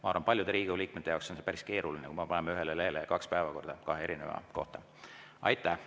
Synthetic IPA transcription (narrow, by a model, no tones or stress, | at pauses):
mɑɑrvɑnpɑlʲjud̪e̞ɾiːɡeliːk̚met̪ːˑejɑ̰ˑowkso̞nse̞pæɾiske̞ːɾulinekujmɑpɑnemɑyɦelelehelekɑkspæevɑko̞rd̪̥ɑkɑɦeeɾine̞̰vɑ̰ko̞̰ht̪ɑ | ʔɑ̰jt̪ˑːæh